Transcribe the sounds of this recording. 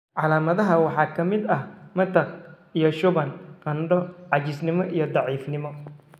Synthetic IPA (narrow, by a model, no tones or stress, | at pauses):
ʕɑlaːmɐðɐɦɐwɑħɑːkʰɐmɪd̪ɐhmɐt̪ʰɐk | ijɔʃʊβɐnqɐnɖɔʕɑt͡ʃɪsnɪmɔʔijɞd̪ɑʕiːfnɪmɔ